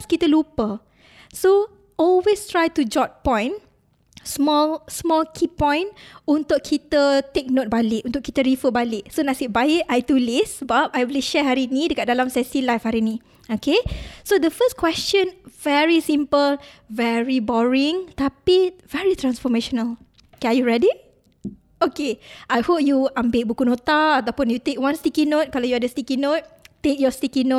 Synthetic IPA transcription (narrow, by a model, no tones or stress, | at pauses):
askit̪əlupə | so | ʔɔlwest̪ɹajt̪ud͡ʒɔt̚pɔ̃j̃n | smɔlsmɔlkʰipɔ̃jnunt̪ʊʔkʰːit̪ət̪ek̚not̚balɪʔũnt̪ʊkːit̪əɹifəbalɪʔsonasiʔ̚bajiʔʔajt̪ulisəbap̚ajwiliʃɛɦaɾinĩdəkat̚dalamsɛsilajfhaɾinĩ | okesodəfəskwɛst͡ʃə̃nvɛɹisĩmpəlvɛɹibɔɹĩŋt̪apivɛɹit̪ɾãnsfɔmeʃɔnəl | kɛajuɹɛdi | okeʔajhop̚juãmbeʔ̚bukunot̪aat̪awpʊ̃njut̪ek̚wãnst̪ikinot̚kalawjuadəstikinot̚ːek̚jɔst̪ikinot̚